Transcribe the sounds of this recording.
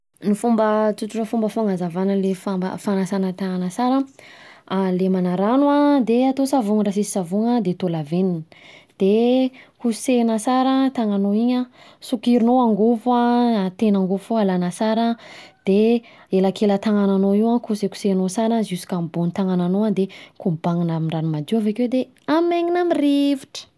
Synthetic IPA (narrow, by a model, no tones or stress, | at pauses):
nifumbət͡suʈ͡ʂuʈ͡ʂəfumbəfaŋazavanəlefambə̰fanasanət̪aŋanasaɾə | alemanaɾanwad̪eat̪osavuŋɾasisi̥savuŋəd̪et̪olavenind̪̥ekusenəsaɾət̪aŋanoiɲə | sukiɾinoaŋɡufat̪enaŋɡofoalanəsaɾəd̪̥e | elakʰelət̪aŋananoiwãkuseku̥senosaɾazusu̥kambunit̪aŋananoad̪ekubaŋinamiɳɖ͡ʐanumad͡ʒ̪iwaveked̪e | amaɲinamiriviʈ͡ʂə̥